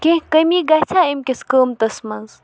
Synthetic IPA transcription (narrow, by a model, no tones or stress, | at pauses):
kʲẽkəmiːɡat͡sʰaːemkʲeskəːmt̪ɐsmɐnz